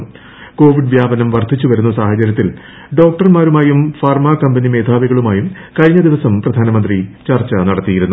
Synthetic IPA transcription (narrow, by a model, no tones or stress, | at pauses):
ko̞ːʋiɖʋjaːbɐnɐmʋɐrt̪ʰit͡ɕːuʋɐɾunːɐsaːhɐt͡ɕɐɾjɐt̪ːil | ɖo̞ːk̚ʈɐrmaːɾumaːjumfaːrmaːkɐmbɐnime̞ːd̪ʱaːʋiɣɐɭumaːjum | kɐɾiɲːɐd̪iʋɐsɐmprɐd̪ʱaːnɐmɐnd̪rit͡ɕɐrt͡ɕɐnɐɽɐt̪ːijiɾunːu